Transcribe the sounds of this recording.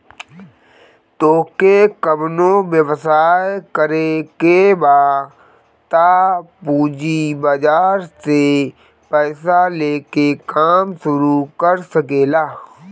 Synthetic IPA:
t̪oːkekəbnõʋjəwsaːjkəɾekebaː | t̪apuːd͡ʒibad͡ʒaːɾse | pɛːsaleːkekaːmʃʊɾukəɾsəkeːlaː

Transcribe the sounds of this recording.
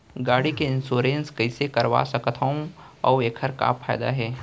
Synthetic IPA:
ɡaːɽikeɪnsoːɾeːnskɐɪsekɐɾʋa̰sɐkət̪ʰɦəõ | ɔ̰ːeːkʰəɾka̰fʰaːɪd̪a̰ɦɛː

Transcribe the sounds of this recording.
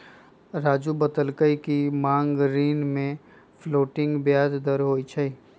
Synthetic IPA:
ɾaːd͡ʒubət̪əlkəikimãːŋɡɾiːnmẽ | fʰloːʈɪ̃ŋɡbjaːd̪d̪əɾɦoːit͡ʃʰəi

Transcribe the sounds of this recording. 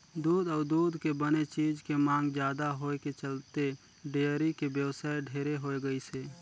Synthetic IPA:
d̪uːd̪ɔːɾd̪uːd̪kebənet͡ʃiːd͡ʒkemãːŋɡd͡ʒjaːd̪aɦoːeket͡ʃəlt̪e | ɖeːəɾikebjəwsaːeɖʱeːɾeɦoeɡəiseː

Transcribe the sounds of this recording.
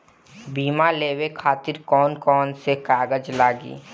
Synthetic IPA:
biːmaleːwekʰaːt̪ɪɾkɔːnkɔːnsekaːɡəd͡ʒlaːɡḭː

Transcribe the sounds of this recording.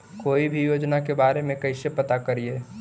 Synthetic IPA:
koːibʱijoːd͡ʒnakebaːɾemẽkɐɪsepət̪akəɾieː

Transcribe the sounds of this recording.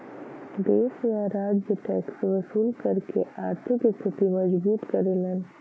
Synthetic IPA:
d̪eːsjaːɾaːʈd͡ʒeʈɛːksʋɐsuːlkɐɾkḛaːɾt̪ʰɪkest̪ɪt̪imɐd͡ʒbuːt̪kɐɾelen

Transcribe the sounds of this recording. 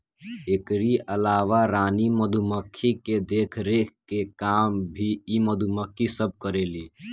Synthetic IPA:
ekɾiʔəlaːʋaɾaːniməd̪ʱuməkʰːiked̪eːkʰɾekekaːmbʱiiməd̪ʱuməkʰːisəb̚ʱkəɾeːliː

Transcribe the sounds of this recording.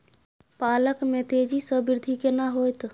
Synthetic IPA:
paləkmet̪ed͡ʒisəbiɾd̪ʱikenaɦojt̪

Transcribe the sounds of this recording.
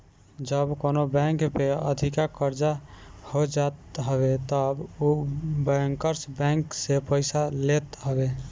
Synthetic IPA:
d͡ʒəbkonobɛ̃ŋkpeə̰d̪ʱikakəɾd͡ʒahod͡ʒat̪ɦəbet̪əbobɛ̃ŋkəɾsbɛ̃ŋksepəɪsalet̪ɦəbe

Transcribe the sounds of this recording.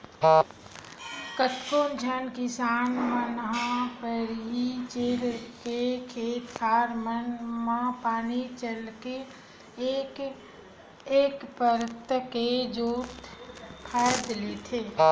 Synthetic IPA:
kət̪koːnd͡ʒʱənkɪsaːnmənɦãpəɾɦit͡ʃeːlkekʰeːt̪kʰaːɾmənmãpaːnit͡ʃəlke | k | eːkpəɾət̪ked͡ʒoːt̪pʰajd̪let̪ʰeː

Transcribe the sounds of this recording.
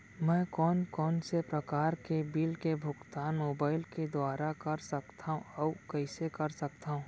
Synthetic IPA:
mɛ̃ːkɔːnkɔːnsepɾɐkaːɾkebilkebʱʊkt̪aːnmoːbaːɪlked̪waːɾakɐɾsɐkt̪ʰaɦũɔːkɛɪsekɐɾsɐkt̪aɦũː

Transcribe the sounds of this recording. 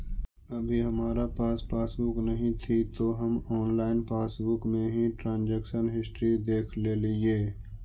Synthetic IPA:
ɐbʱiɦɐmaːɾapaːspʰaːsbʊknɐɦĩt̪ʰit̪oɦɐmɔːnlaːɪnpaːsbʊkmẽɦĩʈɾãːnd͡ʒekʃənɦɪsʈɾid̪eːkʰlelɪeː

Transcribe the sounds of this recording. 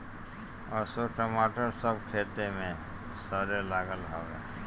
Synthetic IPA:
ɔːsoʈəmaːʈəɾsəb̚kʰeːt̪emẽ | səɾelaːɡəlɦoːḛː

